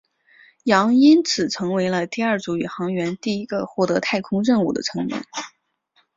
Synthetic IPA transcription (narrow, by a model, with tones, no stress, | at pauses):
jɑ˧˥ŋi˥nt͡sʰɹ̩˨˩ʈ͡ʂʰɤ˧˥ŋwe˧˥ɪlə˧t̪i˥˧ɐ˞˥˩t͡su˧˥y˨˩xɑ˧˥ŋɥɛ˧˥nt̪i˥˩i˧˥ɡə˧xwɔ˥˩t̪ɤ˧˥t̪ʰa˥˩ɪkʰʊ˥ŋɻə˥˧ŋu˥˩d̪ə̰˩ʈ͡ʂʰɤ˧˥ŋmjɛ̰˨˩˦n